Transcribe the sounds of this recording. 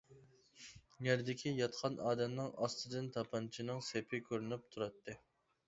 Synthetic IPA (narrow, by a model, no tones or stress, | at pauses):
jæɾd̪ɪkʲijɑt̪qʰɑnʔɑːd̪ɛmnɨŋɑst̪ɨd̪ɨnt̪ʰɑpʰɑnt͡ʃʰinɨŋsepʰɪkʲʰøɾynyp̚t̪ʰuɾɑt̪ːɨ